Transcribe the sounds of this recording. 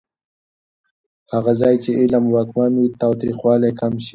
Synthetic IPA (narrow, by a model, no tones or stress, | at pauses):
haɣazɑjt͡ʃeʔɪlamwɑːkmanwit̪ɑwt̪ɾixwɑːlajkamʃi̥